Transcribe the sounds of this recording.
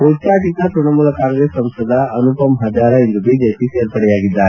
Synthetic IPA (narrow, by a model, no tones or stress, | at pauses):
ot͡ʃaːʈit̪ɐt̪ɾuɳɐmuːlɐkaːŋɡɾeːsːɐmsɐd̪ɐːnupɐmɐɦɐd͡ʒ̪aːɾɐind̪ubiːd͡ʒepiseːɾpɐɽɛjaːɡid̪ːaːɾe